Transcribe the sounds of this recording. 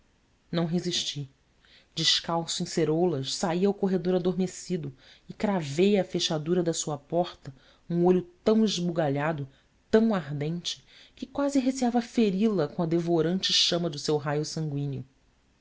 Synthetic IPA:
nɐ̃w̃ɦeziʃt͡ʃi | d͡ʒɪʃkawsʊẽj̃seɾolɐʃsaiɐwkoɦed̪oɾad̪oɾmesid̪ʊ | ɪkɾavejɐfeʃad̪uɾɐd̪ɐsuɐpɔχt̪ɐ | ũoʎʊt̪ɐ̃w̃ɪʒbuɡaʎad̪ʊ | t̪ɐ̃w̃aɦd̪ẽnt͡ʃɪ̥ | kɪkwazɪɦesiavɐfeɾilɐkõɐd̪evoɾɐ̃nt͡ʃɪʃɐ̃mɐd̪ʊsewɦajʊsɐ̃ŋɡwĩnʊ

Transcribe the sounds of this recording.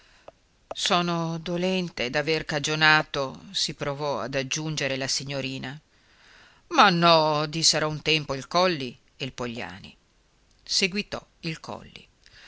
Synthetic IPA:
sɔːnod̪olɛnt̪ed̪averkad͡ʒonaːt̪osipɾovɔa̰d̪ad͡ʒːund͡ʒeɾelasiɲːoɾiːna | manːɔd̪isːeɾɔunt̪ɛmpoilkɔlːi | elpoʎːa̰ːnḭ | seɡwit̪ɔ̰ | ilkɔ̰lːḭ

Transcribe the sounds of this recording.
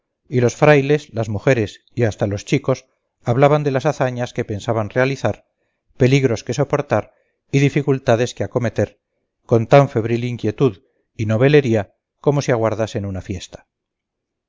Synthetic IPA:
ilo̞sfɾajle̞zlazmuxe̞ɾe̞s | iast̪alo̞st͡ʃiko̞s | aβlaβand̪e̞lasaθaɲaske̞pe̞nsaβanre̞aliθaɾ | pe̞liɣɾo̞ske̞so̞po̞ɾt̪aɾ | iðifikult̪aðe̞skeako̞me̞t̪e̞ɾ | ko̞nt̪aɱfe̞βɾiliŋkje̞t̪uð | ino̞β̞e̞le̞ɾia | ko̞mo̞siaɣ̞waɾðase̞nunafje̞st̪ḁ

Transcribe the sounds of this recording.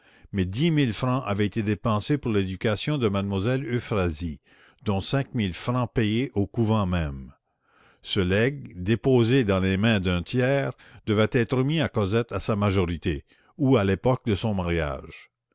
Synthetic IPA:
mɛd̪imilfɾɑ̃ʔavɛet̪ed̪epɑ̃sepuʁled̪ykasjɔ̃d̪əmad̪̚mwazɛlyfɾazi | d̪ɔ̃sɛ̃k̚milfɾɑ̃pejeʔokuvɑ̃mɛ̃m | səlɛɡ̚d̪epoːzed̪ɑ̃lemɛ̃d̪ɛ̃t̪ʰjɛːʁ | d̪əvɛt̪ɛːt̪ɾəmiakɔzɛt̪asamaʒɔʁit̪e | ualepɔk̚d̪əsɔ̃maʁja̰ːʒ

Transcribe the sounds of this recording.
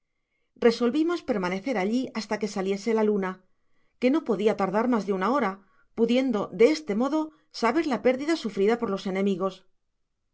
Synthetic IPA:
re̞so̞lβimo̞spe̞ɾmane̞θe̞ɾaʎiʔast̪ake̞salje̞se̞laluna | ke̞no̞po̞ðiat̪aɾðaɾmazðeunao̞ɾa | puðje̞nd̪o̞ðe̞est̪e̞mo̞ðo̞ | saβe̞ɾlape̞ɾðiðasufɾiðapo̞ɾlo̞se̞nẽ̞miɣ̞o̞s

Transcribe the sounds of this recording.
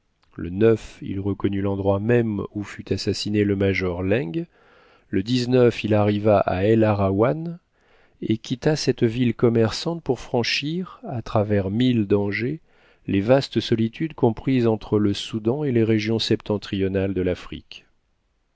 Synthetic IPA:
lə̰nœfḭlʁəkɔnylɑ̃d̪ʁwamɛmufyt̪ʰasasineləmaʒɔʁlɛ̃ɡ | ləd̪iznœfilaʁivaʔa̰ɛlaʁawan | ekʲit̪asɛt̪vilkɔmɛʁsɑ̃t̪̚puʁfχɑ̃ʃiʁat̪χavɛʁmild̪ɑ̃ʒe | levast̪sɔlit̪ʰyd̪kɔ̃pχizɑ̃t̪χələsud̪ɑ̃eleʁeʒjɔ̃sɛpt̪ɑ̃t̪χijɔnald̪əlafχḭk

